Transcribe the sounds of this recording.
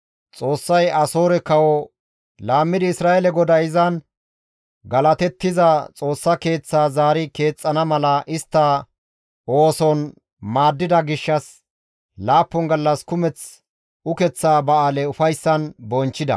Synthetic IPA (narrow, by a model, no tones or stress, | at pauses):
t͡sʼo̞ːsːɐjɐso̞ːɾɛkɐwɔ | laːmːɪd̪ɪɪsɾaːɛlɛɡɔd̪ɐɪzɐn | ɡɐlɐt̪ɛt̪ːɪzɐt͡sʼo̞ːsːɐke̞ːt͡sːaːzaːɾɪke̞ːt͡sʼːɐnɐmɐlɐʔɪst̪ːɐ | oːsɔn | maːd̪ːɪd̪ɐɡɪʃːɐs | laːpːɔŋɡɐlːɐskʊmɛt͡s | ʊkɛt͡sːaːbɐaːlɛʊfɐjsːɐnbɔnt͡ʃːɪd̪ɐ̰